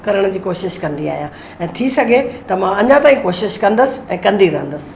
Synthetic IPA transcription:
kɐɾəɽ̃ʊ̆d͡ʑiːkoːʃɪʃkɐ̃nd̪ia̰ːɦijã | ɛ̃ːt̪ʰisɐɡʱet̪ɐmãɐɲãt̪aːĩkoːʃɪʃkɐ̃nd̪əsɪ̆ɛ̃ːkɐ̃nd̪iɾɐɦə̃nd̪əsɪ̥̆

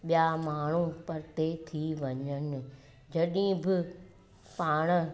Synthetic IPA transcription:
ɓijamaːɳ̤ũpɐɾt̪et̪ʰiʋɐɲənɪ̆ | d͡ʑɐɗĩbɪ | paːɽ̃ə̆

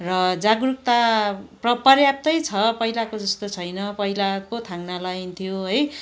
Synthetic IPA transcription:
rʌd͡zaɡruk̚t̪aprʌpʌrjap̚t̪ʌjt͡sʰʌpʌɦilakod͡zʌst̪ot͡sʰʌjnʌpʌɦilakot̪ʰãŋnalajint̪ʰijoɦʌj

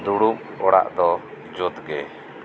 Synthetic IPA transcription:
d̪uɽum | ɔɽa̰ʔd̪ɔ | d͡ʒɔd̪ɡɛ

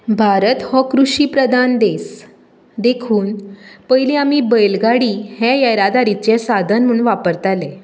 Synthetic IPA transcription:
bʱaɾət̪hɔkɾuɕiːpɾəd̪ʱand̪es | d̪ekʰuːnpəjlĩamiːbəjlɡaɽiːhɛ̃jajɾad̪aɾit͡ɕɛsad̪ʱənm̤ə̃ɳʋapəɾt̪ale

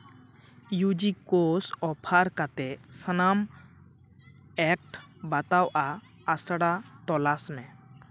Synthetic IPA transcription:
jud͡ʒikosɔpʰaɾkat̪ɛsənam | ɛk̚ʈbat̪awʔaː | sɽat̪ɔlasmɛ̃

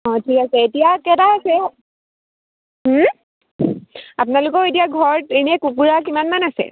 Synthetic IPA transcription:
ɔ̃tʰikasɛetijakɛtaːsɛ | mm̩ | apnalʊkɔetijaɡʱɔɹenɛkukuɹak̬imanmanasɛ̰

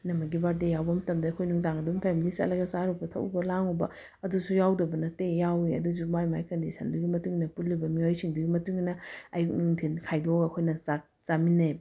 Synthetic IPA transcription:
nɐmɐɡibaɾdejawbɐmɐtɐmdɐːkʰojnuŋtaŋɐdumpʰemilisɐ̰lɐɡɐzaɾubɐtʰɐ̰wṵbɐlaŋubɐ̰ | ɐdusujawdɐbɐnɐtejawiɐ̰dusumajmajkɐndisʰɐnduɡimɐtuŋnɐpullibɐmiojsiŋduɡimɐtuŋnɐɐjuk̚nuŋtʰinkʰajdoɡɐkʰojnɐza | zamineb

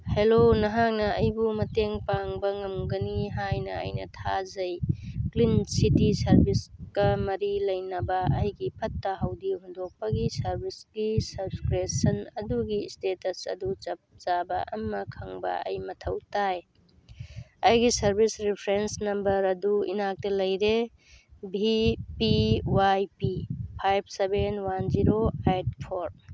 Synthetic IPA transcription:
helonɐɦaŋnɐɐjbumɐteŋpaŋbɐŋɐmɡɐniɦajnɐɐ̰jnɐ̰tʰazɐjklinsitisɐɾbiskɐmɐɾilɐjnɐbɐːjɡipʰɐtːɐɦɐwdihundok̚pɐɡisɐɾbʱisɡ̥isɐbskɾesɐnɐduɡistetɐsɐ̰dut͡ʃɐp̚z̥abɐ̰ʔɐ̰mɐkʰɐŋbɐ̰ɐ̰jmɐtʰɐwtaj | ɐjɡisɐɾbʱisɾipʰɾensnɐmbɐɾɐduḭnak̚tɐlɐjɾe | bipiwajpipʰajb̚ʰsebenwanziɾoajd̚pʰoɾ

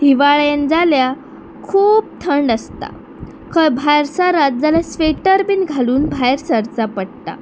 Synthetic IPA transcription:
hiʋaɭjend͡zalja | kʰuːb̚t̪ʰəɳɖəst̪a̰ | kʰəbʱajɾsaɾat̪̚d͡zaljasʋeʈəɾbiːnɡʱaluːnbʱajɾsəɾt͡sapəɽt̪a̰

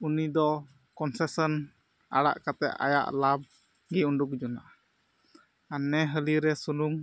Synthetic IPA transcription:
unidɔ | kɔnsɛsən | a̰la̰ʔkat̪ɛ̰ʔa̰ja̰ʔlab̚ | ɡiunduk̚d͡ʒuna | anːɛɦəliɾɛsuluŋ

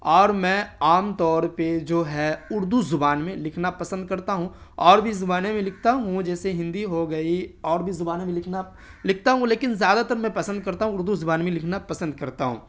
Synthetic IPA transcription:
ɔːɾmɛ̃ːaːmt̪ɔːɾped͡ʒoːɦɛʊɾd̪uzʊbaːnmẽlɪkʰnapɐsə̃nd̪̚kɐɾt̪aɦũɔːɾbʱizʊbaːnemẽlɪk̚ʰt̪aɦũd͡ʒɛːseɦɪ̃nd̪iɦoɡɐiɔːɾbʱizʊbaːnemẽlɪkʰna | lɪk̚ʰt̪aɦũleːkɪnzjaːd̪at̪əɾmɛ̃pɐsə̃nd̪̚kɐɾt̪aɦũʊɾd̪uzʊbaːnmẽlɪkʰnapɐsə̃nd̪̚kɐɾt̪aɦṵ̃ː

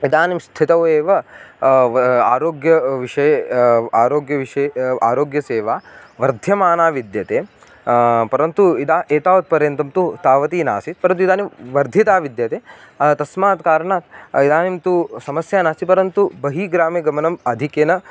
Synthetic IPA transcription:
id̪aːnimst̪ʰit̪ɐʋeːʋɐ | aːɾoːɡjɐʋiʂɐjɐaːɾoːɡjɐʋiʂɐja̰ːɾoːɡjɐseːʋaːʋɐɾd̪ʱjɐmaːnaːʋid̪jɐt̪eː | pɐɾɐnt̪uid̪aːʔeːt̪aːʋɐt̪̚pɐɾjɐnt̪ɐmt̪ut̪aːʋɐt̪iːna̰ːsit̪pɐɾɐnt̪̬uid̪aːniʋɐɾd̪ʱit̪aːʋid̪jɐt̪eː | ɐt̪ɐsmaːt̪kaːɾɐɳaːt̪id̪aːnimt̪usɐmɐsjaːnaːsipɐɾɐnt̪ubɐɦiːɡɾaːmiɡɐmɐnɐmɐd̪ʱikeːnɐ

